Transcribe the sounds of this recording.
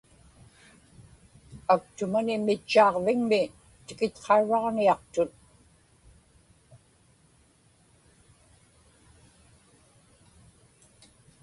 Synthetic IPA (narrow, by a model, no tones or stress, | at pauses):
ak̚t̪ʊmanɪmɪt͡ʃːɑːʁvɪŋmɪ | t̪ɪkɪt̪qʰɑɻɑʁniɑqt̪ʊt̪̚